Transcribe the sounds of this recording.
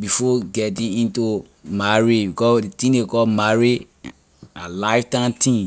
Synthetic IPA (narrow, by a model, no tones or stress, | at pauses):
bifɔɡɛtĩĩntu | maɹibikɔsditĩdekɔmaɹi | alaɪftãntʰĩn